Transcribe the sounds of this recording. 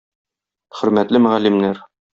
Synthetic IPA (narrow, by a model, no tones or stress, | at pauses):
χɵ̆ɾmæt̪lɘmɵ̆ʁælːimnæɾ